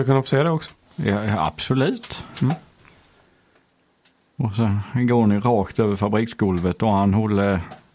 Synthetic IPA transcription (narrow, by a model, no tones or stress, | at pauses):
akɵnːafɔ̥seːad̪ɛɔksɔ̥ | jɑa̰b̥sɔlʉ̟ːt̪ | ɔsɛnɡoːɳɪɾɑːkt̪øːvəɾfabɾiːksɡɵlvət̪ɔhanhɔlːə